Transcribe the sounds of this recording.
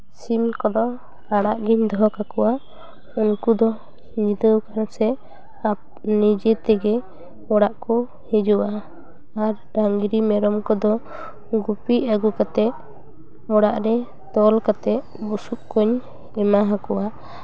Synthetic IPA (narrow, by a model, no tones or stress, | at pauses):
simkɔd̪ɔ | kaɽaʔɡiɲd̪ɔɦɔkakɔwʔa | uŋkud̪ɔ | ɲid̪əwkansɛ | ap | nid͡ʒɛt̪ɛɡɛ | ɔɽaʔkɔ | hɛd͡ʒuʔaː | ɾɖaŋɡɾimɛɾɔmkɔd̪ɔ | ɡupiʔaɡukat̪ɛ | ɔɽaʔɾɛ | t̪ɔlkat̪ɛʔ | busuʔkɔɲ | ɛmaɦãkɔʔa